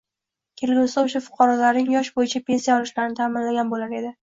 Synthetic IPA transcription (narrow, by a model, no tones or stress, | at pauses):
kʲʰe̞lɡʲusaʊʃafʊ̥qʰɒɾɒlaɾnɪŋjɒʃbojɪt͡ʃʰapʰʲe̞nsijaɒlɪʃlaɾɪnɪt̪ʰamɪnlaɡʲanbolaɾe̞d̪ɪ